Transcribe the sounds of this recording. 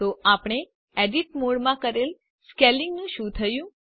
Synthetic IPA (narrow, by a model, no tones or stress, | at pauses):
t̪oapɳ̃e | eɖiʈmoɽmãkəɾel | skelɪŋɡnũʃũt̪ʰəjũ